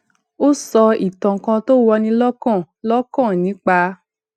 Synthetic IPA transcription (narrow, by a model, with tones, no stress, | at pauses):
o˦sɔ˧i˨tɔ̃˨kã˧to˦wɔ˧nĩ˧lɔ˦kã˦˨ | lɔ˦kã˦˨nĩ˨˦k͡pa˧